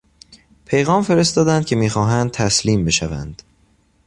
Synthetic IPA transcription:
pʰe̞jɣɒːmfe̞ɾe̞st̪ɒːd̪ænd̪̚cʰʲe̞miːxɒːɦænd̪̚t̪ʰæsliːmbe̞ʃævæ̰nd̪̥

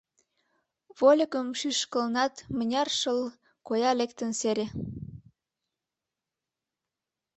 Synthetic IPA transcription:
βolʲəkəmʃyʃkəlnɑt̪mənʲɑrʃəl | kojɑlekt̪ənseɾʲe

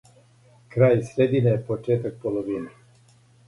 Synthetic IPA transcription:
kɾaːjsɾed̪inejepot͡ʃeːt̪ak̚poloʋine

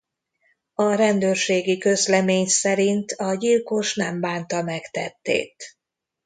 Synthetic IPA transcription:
ɒɾɛnd̪øːrʃeːɡikø̞zlɛmeːɲsɛɾint̪ʰɒɟilko̞ʃnɛmbaːnt̪ɒmɛkt̪ɛt̪ːḛːt̪

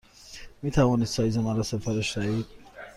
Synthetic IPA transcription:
miːt̪ʰævɒːniːd̪sɒːjizænaɾɒsepʰæɾeʃd̪æiːd̪̥̚

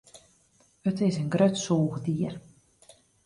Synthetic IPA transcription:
ətɪsənɡrøtsoːɣdiər

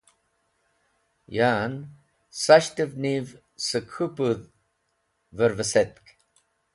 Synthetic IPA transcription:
jaːn | saɕt̪əvniv | səkʰupuð | vəɾvəset̪̚k

